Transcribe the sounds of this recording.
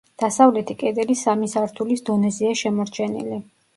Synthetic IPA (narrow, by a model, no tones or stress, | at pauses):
d̪̥asavlɛt̪ʰikʼɛd̪ɛlisamisaɾt̪ʰulisd̪ɔnɛzɛaʃɛmɔɾt͡ʃʰɛnḭli